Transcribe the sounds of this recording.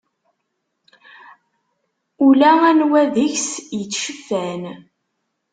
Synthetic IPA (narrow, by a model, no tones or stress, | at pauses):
ulæænwæðəçsjət͡sːʃəfːæn